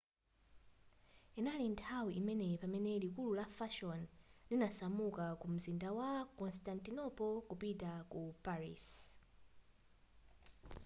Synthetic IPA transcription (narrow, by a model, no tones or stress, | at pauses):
inalintʰawiʔimɛnɛpamɛnɛlikululafaʃɔnlinasamukakum̩zindawakɔnstantinɔpɔkupitakupaɹḭs